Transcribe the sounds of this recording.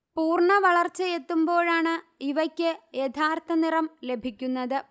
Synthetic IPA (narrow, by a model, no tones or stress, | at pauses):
puːrɳɐʋɐɭɐrt͡ɕːɐje̞t̪ːumbo̞ːɻaːɳɨ | iʋɐkʲːɨjet̪ʰaːrt̪ɐnirɐmle̞bʱikʲːunːɐðɨ